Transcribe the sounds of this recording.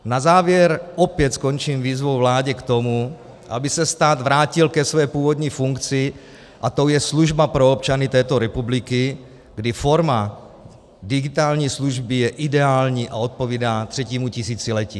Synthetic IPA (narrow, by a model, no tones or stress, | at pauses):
nazaːvjɛɾʔopjɛt̪sko̞nt͡ʃiːmviːzvo̞wvlaːɟɛkt̪o̞mu | ʔabɪsɛst̪aːd̪vɾaːcɪlkɛsvɛːpuːvo̞d̪ɲiːfuŋkt͡sɪ | ʔat̪o̞wjɛsluʒbapɾoopt͡ʃanɪt̪ɛːt̪o̞ɾɛpublɪkɪ | ɡdɪfo̞ɾma | dɪɡɪt̪aːlɲiːsluʒbɪjɛʔɪdɛaːlɲiːʔao̞t̪̚po̞viːdaːt̪r̝̥ɛciːmucɪsiːt͡sɪlɛciː